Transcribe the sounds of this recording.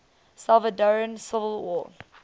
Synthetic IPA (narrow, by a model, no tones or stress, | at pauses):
salˠvədɔɹiə̃nsɪvəlˠwɔ̰ː